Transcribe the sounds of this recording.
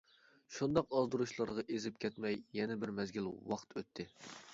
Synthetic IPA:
ʃund̪ɑqɑzd̪uɾuʃlˠɑɾʁɑʔezɪp̚kʲʰɛt̪mɛjːɛnɛbɪɾmɛzɡʲilwɑqt̪ʰøt̪ʰːɪ

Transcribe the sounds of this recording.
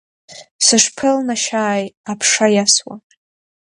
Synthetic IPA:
sɨʂpʰɨlnaʃaːjapʰʂajaswa̰

